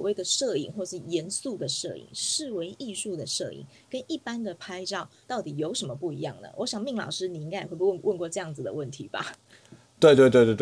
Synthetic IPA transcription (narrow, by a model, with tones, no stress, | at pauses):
swɔ˨˩we˥˩ɪd̪ə˩ʂɤ˥˧ḭ˨˩ŋxwɔ˥˩ʂɻ̩˥˩jɛ˧˥nsu˥˩d̪ə˩ʂɤ̰˥˩ḭ˨˩ŋʂɻ̩˥˩we˧˥ɪʔi˥˧ʂu˥˩d̪ə˩ʂɤ̰˥˩ḭ˨˩ŋ | kə˦nʔi˥˩pa˥nd̪ə˨pʰa˥ɪʈ͡ʂɑ˥˩ʊt̪ɑ˥˩ʊt̪i˨˩jo˧˥ʊʂə˧˥nmə˧pu˥˩i˧˥jɑ˥˩ŋnə̰˩wɔ˧˦ɕjɑ˨˩ŋmi˥˩ŋlɑ̰˨ʊʂɻ̩˥ni˨˩i˥ŋka˥jxwe˥˧˩pu˥˧wʔə˥˧nkwɔ˥˧ʈ͡ʂɤ˥˧jɑ˥˩ŋd͡z̩˩d̪ə̰˩wə˥˩nt̪ʰi˨˦ba̰˦ | t̪we˥˧ɪt̪we˥˧t̪we˥˧t̪we˥˧˩t